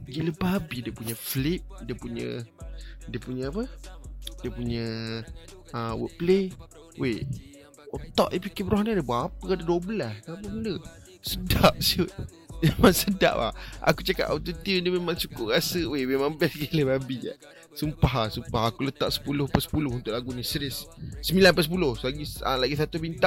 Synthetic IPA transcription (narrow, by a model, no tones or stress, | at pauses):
ɡiləbabidiəpuɲəflip̚diəpuɲə̰ | diəpuɲəapə | diəpuɲə | əwə̰ʔple | wʔe | ot̪ɔ̰ʔʔipikibəɾɔɦnadəbaapəkadaduabəlaskapəmndə | sədaʔ̚suʔ̚ | memaŋsəda̰ʔwa̰a̰kut͡ʃaka̰ʔʔat̪ut̪iəndəmemaŋsukʊʔɣasəwememaŋbɛsɡiləbabia̰ | sumpaɦasumpahakulət̪aʔsə̥pulʊhpəsə̥pulʊhunt̪ʊʔlaɡunisɾɪsːəmbilanpəsəp̬ulʊhlaɡiəlaɡis̬at̪ubint̪a